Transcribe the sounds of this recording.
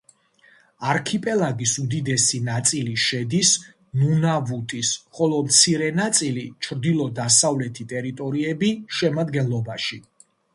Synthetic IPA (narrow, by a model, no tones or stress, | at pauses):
aɾkʰipʼɛlˠaɡisud̪id̪ɛsinat̪sʼiliʃɛd̪is | nunavut̪ʼisχɔlˠɔmt̪sʰiɾɛnat̪sʼilit͡ʃʰɾd̪ilˠɔd̪asavlɛt̪ʰit̪ʼɛɾit̪ʼɔɾiɛbiʃɛmad̪ɡɛnlˠɔbaʃi